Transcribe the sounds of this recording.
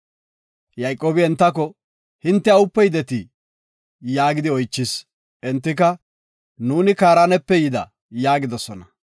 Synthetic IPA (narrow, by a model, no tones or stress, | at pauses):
jɐjkʼːoːbɪɛnt̪ːɐk̬ɔ | hɪnt̪ːɛɐʊpːɛjd̪ɛt̪ɪ | jaːɡɪd̪ɪɔjt͡ʃːɪs | ʔɛnt̪ːɪkɐ | nuːnɪkaːɾaːnɛpːɛjɪd̪ɐ̰ | jaːɡɪd̪ɔsɔnɐ